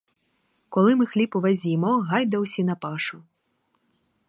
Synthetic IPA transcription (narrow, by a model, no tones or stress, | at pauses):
kɔlˠɨmɨxlʲipuʋazʲimɔɣajd̪ɐwsʲinɐpaʂu